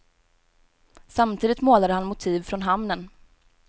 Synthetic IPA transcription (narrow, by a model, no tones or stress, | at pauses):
samt̪ʰiːd̪ɪt̪moːlad̪əhanmʊt̪ʰiːvfɾɔnɦamnən